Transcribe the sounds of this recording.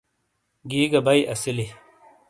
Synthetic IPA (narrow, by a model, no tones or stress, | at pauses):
ɡiːɡɐbɐjʔɐsili